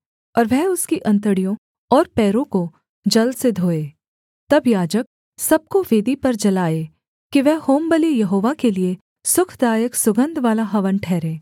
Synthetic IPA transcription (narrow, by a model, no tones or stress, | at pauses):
ɔːɾʋɛɦʊskiʔɐ̃nt̪əɽijõ | ɔːɾpɛːɾõko | d͡ʒɐld̪sed̪ʱoːeː | t̪ɐbjaːd͡ʒək̚ | sɐb̚koʋeːd̪ipɐɾd͡ʒɐlaːeː | kiʋɛhoːmbəlijɐɦoːʋakelie | sʊkʰd̪aːjəksʊɡə̃nd̪ʱʋaːlaɦɐʋənʈʰɛːɾẽː